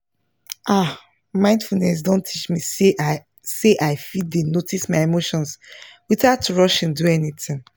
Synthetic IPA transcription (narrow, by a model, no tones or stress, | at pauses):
ʔa | mãɪ̃ndfulnɛs̬dõntʰit͡ʃmie | seʔaɪfid̚denotismaɪemoʃɔ̃nswitatuɹɔʃɛ̃nduɛnitĩŋ